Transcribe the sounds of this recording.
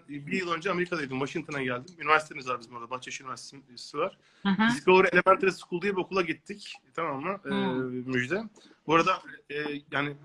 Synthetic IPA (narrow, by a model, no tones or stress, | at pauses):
biɾjɯlˠø̞nd͡ʒɛame̞ɾikʰad̪ajd̪imvaʃiŋt̪ʰo̞naɟælʲd̪imynivæɾsit̪ʰemizvaɾbizbuɾad̪abat͡ʃaʃynyvæɾst̪e̥sivaɾ̥ | iskauɾelʲebæɾt̪ɾasi̥kʰulˠd̪ujbokʰulˠaɟit̪ʰːict̪ʰamamːa | myd͡ʒd̪ɛ | buɾad̪aːjaːnɪ